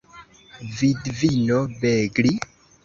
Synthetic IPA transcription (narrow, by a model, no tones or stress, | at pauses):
vidvinobeɡli